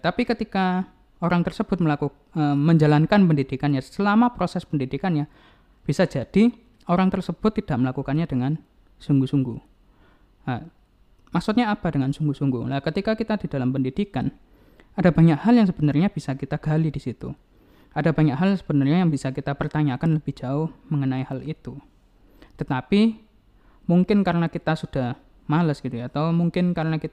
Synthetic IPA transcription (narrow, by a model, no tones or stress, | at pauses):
t̪apikət̪ika | oɾaŋt̪ərsəb̥ʊt̪̚məlaku | əməɲd͡ʒalankanpəndidikanɲasəlamapɾosɛspəndidikanɲa | b̥isad͡ʒad̥i | oɾaŋt̪ərsəb̥ʊt̪ːid̥aʔ̚məlakukanɲadəŋan | suŋɡusuŋɡu | a | maksut̪̚ɲaːpadəŋansuŋɡusuŋɡṵlakət̪ikakit̪adid̥alampəndid̥ikan | adabaɲakhaljaŋs̬əb̥ənarɲab̥isakit̪aɡ̥alidisit̪ṵ | adaba̤ɲakɦaljŋsəb̥ənarɲajaŋbisakit̪apərt̪aɲakanləb̥ɪhd͡ʒaʊhməŋənaihalit̪u | t̪ət̪api | muŋkɪnkaɾənakit̪asud̥ah | maləsɡ̥it̪ujaːt̪awmuŋkɪnkaɾənakit̪a